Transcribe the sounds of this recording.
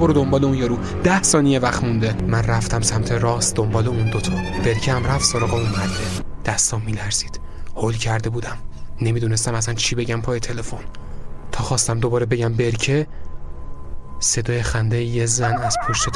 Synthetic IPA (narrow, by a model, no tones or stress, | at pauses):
boɾod̪o̞mbɒːleũnjɒːɾuː | d̪̥æhsɒːnijevæxt̪mund̪emænræft̪æmsæmt̪ʰeɾɒːsd̪ombɒːleund̪ot̪ʰɒb̥e̞ɾcʰehæmræfsoɾɒːɣeunmæɾd̪ed̪̥æst̪ɒːmːiːlæɾz̥iːd̪̥ | holcʰæɾd̪e̞buːd̪æmne̞miːd̪uːnest̪æmæs̬ænt͡ʃʰibeɟæmpʰɒːjet̪ʰe̞le̞fo̞nt̪ʰɒːxɒːst̪æmd̪obɒːɾebe̞ɟæmbe̞ɾcʰe | se̞d̪ɒːjexænd̪ejjezænæz̥pʰo̞ʃt̪et̪